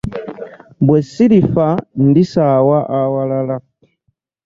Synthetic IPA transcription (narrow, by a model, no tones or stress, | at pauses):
bwɛsilifan̩disawaʔawalala